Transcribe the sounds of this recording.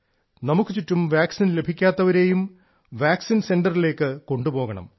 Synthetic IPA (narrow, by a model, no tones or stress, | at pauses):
nɐmukːɨt͡ɕitːumʋaːksinle̞bʱikʲːaːt̪ːɐʋɐɾe̞ːjum | ʋaːksinse̞nɖɐrile̞ːkːɨko̞ɳɖupo̞ːɣɐɳɐ̰m